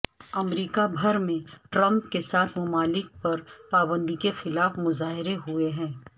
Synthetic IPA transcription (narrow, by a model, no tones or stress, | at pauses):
ɐmɾiːkabʱɐɾmẽʈɾɐ̃mp̚kesaːt̪ʰmʊmaːlɪk̚pɐɾpaːbə̃nd̪ikexɪlaːfmʊzaːɦɪɾeɦʊeɦɛ̃ː